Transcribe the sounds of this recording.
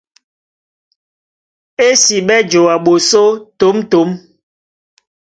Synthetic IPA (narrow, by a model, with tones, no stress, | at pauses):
e˦si˨ɓɛ˦d͡ʒo˨a˨ɓo˨so˦to˨˦mto˨˦m